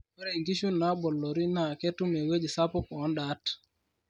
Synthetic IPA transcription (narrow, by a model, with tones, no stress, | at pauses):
e˦ɾe˨i˨ŋɡi˦ʃu˦nːa˦bɔ˨lːɔ˨ɾi˦na˨ke˦tu˦me˨we˦d͡ʒi˨sa˦po˦kːnda˦t